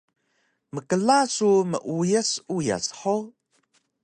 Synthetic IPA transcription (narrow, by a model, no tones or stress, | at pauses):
məkəlasumə̰ʔujəsuja̰sħo